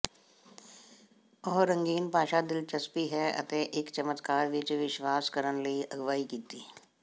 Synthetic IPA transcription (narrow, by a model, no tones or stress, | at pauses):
ɔːɦɾə̃ŋɡiːnpaːʃad̪ɪlt͡ʃɐspiɦɛɐ̰t̪eʔɪkt͡ʃəmət̪kaːɾʋɪt͡ʃʋɪʃʋaːskəɾənlɐiʔɐɡʋaːikiːt̪iː